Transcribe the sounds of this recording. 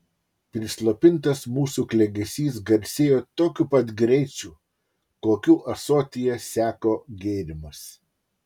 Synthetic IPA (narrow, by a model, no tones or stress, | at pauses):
pʲɾʲɪslˠoːpʲɪnˑt̪ɐsmuːsuːklʲɛɡʲɛsʲiːs̬ɡɐɾʲsʲeːjoːt̪oːkʲupɐt̪ɡɾʲɛɪt͡ʃʲuː | koːkʲuːʔɐsoːt̪ʲɪjɛsʲæːkoːɡʲeːɾʲɪmɐs